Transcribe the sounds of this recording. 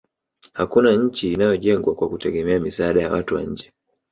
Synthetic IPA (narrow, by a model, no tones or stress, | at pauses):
hakunaɲ̩t͡ʃiːnajɔʄɛŋɡwakwakutɛɡɛmɛamisaaːɗaja̰wa̰tuwa̰ɲ̩d͡ʒɛ